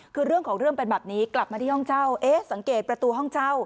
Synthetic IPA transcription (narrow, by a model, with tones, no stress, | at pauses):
kʰɯː˧ɾɯ˥˩əŋkʰɔː˩˦ŋɾɯ˥˩əŋpe˧nbɛː˨˩p̚niː˦˥kla˨˩p̚maː˧t̪ʰiː˥˩hɔ˥˩ŋt͡ɕa˥˩wʔeː˦˥sa˩˦ŋkeː˨˩t̪̚pɾa˧t̪uː˧ɦɔ˥˩ŋt͡ɕa˥˩w